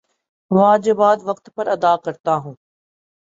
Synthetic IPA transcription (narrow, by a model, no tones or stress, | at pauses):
ʋaːd͡ʒɪbaːd̪ʋɐk̚t̪pɐɾɐd̪aːkɐɾt̪aɦũː